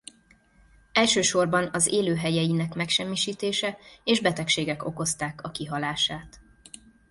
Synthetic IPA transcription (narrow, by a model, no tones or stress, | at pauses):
ɛlʃøːʃo̞rbɒnɒzeːløːɦɛjɛjinɛkmɛkʃɛmːiʃiːt̪eːʃɛeːʒbɛt̪ɛkʃeːɡɛko̞̰ko̞st̪aːkɒkiɦɒlaːʃaːt̪